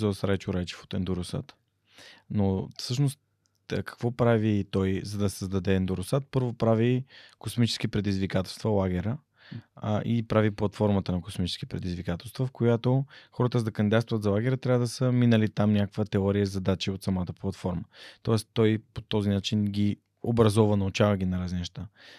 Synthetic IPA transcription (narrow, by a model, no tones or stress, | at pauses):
osɾajt͡ʃoɾajt͡ʃɛ̥fo̥t̪ɛnd̪uɾʊsa̰t̪ | nofsɤʃnost̪ː | kɐ̥kvɔpɾavit̪ɔjzɐd̪ɐssəzd̪ɐd̪ɛːnd̪uɾʊsat̪̚pɤɾvopɾavikosmit͡ʃɛ̥skipɾɛd̪izvikat̪ɛlˠst̪vɐlˠaɡɛɾə | ʔipɾaviplˠɐt̪fɔɾmət̪ənɐko̥smit͡ʃɛ̥sk̟i̥pɾɛd̪izvikat̪ɛlˠst̪vəfkojat̪oxɔɾət̪əzd̪ɐkɐnd̪id̪at̪st̪vət̪zɐlˠaɡɛɾət̪ɾʲavəd̪ɐsəminəlit̪amnʲakəkvət̪ɛɔɾiəzɐd̪at͡ʃiot̪sɐmat̪əplˠɐt̪fɔɾmət̪ɔɛst̪ɔjpo̥t̪ɔzinat͡ʃinɡʲi | obɾɐzɔvənɐut͡ʃavəɡʲinɐɾazninɛʃt̪a